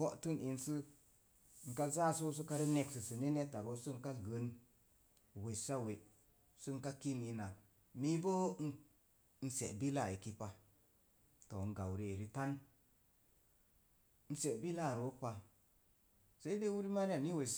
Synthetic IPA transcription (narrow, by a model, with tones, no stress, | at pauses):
o˦ʔtu˦ni˨nsɨ˦ | ŋ̩˨ka˦za˦so˦s̬u˦ka˧ɾi˦ne˧ksɨ˨sɨ˨ne˦ne˦ta˨ɾo˦sɨ˦ŋ˦ka˦ɡə˨˦n˨ | we˨sa˦we˨ | sɨ˦ŋ˦ka˦ki˦ni˧na˨ | mi˦bo˦n˦ | n̩˦sḛ˨ʔbi˦la˦˨i˨ki˦pa˨ | to˨n̩˨ɡa˨wɾi˦e˨ɾi˦ta˦n | n̩˦se˨bi˦la˦˨ɾo˨˦pa˧ | sa˦i˦de˦wu˦ɾi˦ma˦ɾa˨ni˦we˨